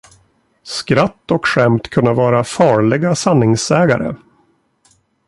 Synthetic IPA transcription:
skɾat̪ːɔkɧɛmt̪kʰɵnːavɑːɾafɑːɭɪɡasanːɪŋsɛːɡa̰ɾə̰

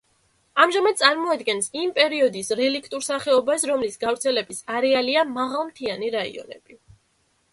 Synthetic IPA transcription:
amʒamad̪̚sʼaɾmɔad̪ɡɛnsimpʼɛɾiɔd̪isɾɛlikʰt̪ʼuɾsaχɛɔbasɾɔmlisɡavɾt̪sʰɛlɛbisaɾɛaliamaʁalˠmt̪ʰianiɾaḭɔ̰nɛ̰b̥i

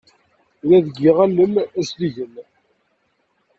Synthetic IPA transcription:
ɾæðəɡːiʁalːəmæsliʝən

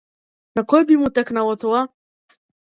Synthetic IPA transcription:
nakɔjbimut̪ɛknalˠɔt̪ɔa

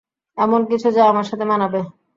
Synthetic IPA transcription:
ɛmonkit͡ɕʰud͡ʑaeamaɾʃat̪ʰemanabe

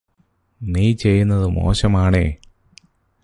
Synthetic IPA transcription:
niːt͡ɕe̞jːunːɐðɨmo̞̰ːɕɐmaːɳḛː

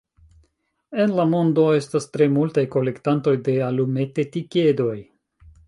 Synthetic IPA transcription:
e̞nlamo̞ndo̞e̞stastɾe̞multajko̞le̞ktanto̞jde̞alume̞tetike̞do̞j

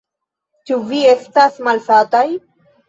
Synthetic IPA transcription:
t͡ʃuviest̪asmalfat̪aj

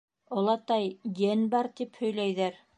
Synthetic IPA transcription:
ŏlˠɑt̪ɑjjenbɑɾt̪iphɵ̆jlæjðæɾ

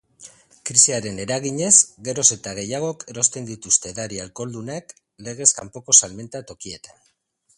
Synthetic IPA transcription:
kɾisiaɾe̞ne̞ɾaɣiɲe̞zɡe̞ɾo̞se̞t̪aɣ̞e̞jaɣ̞o̞ke̞ɾo̞st̪e̞nd̪it̪ust̪e̞ðaɾialko̞ld̪unak | le̞ɣ̞e̞ska̰mpo̞ko̞salme̞nt̪at̪o̞kie̞t̪an

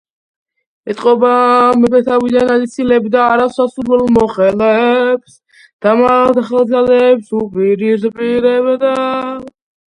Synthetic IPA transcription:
ɛt̪ʼqʼɔbamɛbɛt̪ʰavid̪analit̪sʰilɛbd̪aːɾasasuɾvɛlˠmɔχɛlɛbs | d̪̥amad̪χɛlˠd̪zalɛːpsupʼiɾizpʼiɾɛbd̪a

